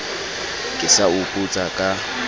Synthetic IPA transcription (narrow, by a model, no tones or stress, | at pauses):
kʼɪsaʊpʼut͡sʼakʼa